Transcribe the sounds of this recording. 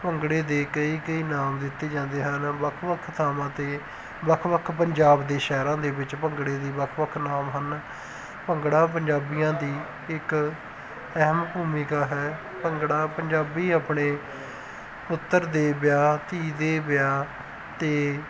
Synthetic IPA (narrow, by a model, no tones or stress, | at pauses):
pəŋɡɽeːd̪eːkəiːkəiːnaːmd̪ɪt̪ːeːd͡ʒãːnd̪eːɦənʋəkʰʋəkʰt̪ʰaːmãːt̪eː | bəkʰʋəkʰpəɲd͡ʒaːbd̪eːʃɛːɾãːd̪eːbɪt͡ʃpəŋɡɽeːd̪iːbəkʰʋəkʰnaːmɦən | pəŋɡɽaːp̬əɲd͡ʒaːbijãːd̪iː | ɪk | ɛɦəmbuːmikaːɦɛː | pəŋɡɽaːpəɲd͡ʒaːbiːaːpɳeː | pʊt̪ːəɾd̪eːbjaːt̪iːd̪eːbɪjaː | t̪eː